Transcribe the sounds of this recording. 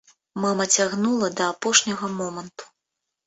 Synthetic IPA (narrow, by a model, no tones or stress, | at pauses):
mamɐt͡sʲaɣnulˠɐd̪ɐːpɔʂnʲɐɣɐmɔmɐnt̪u̥